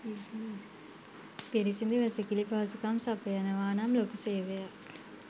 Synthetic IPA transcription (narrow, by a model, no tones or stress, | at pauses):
peɾisind̪iʋɛsekilipaɐsukaːmsapɐjɐnɐʋaːnaːmloːkuseːʋeja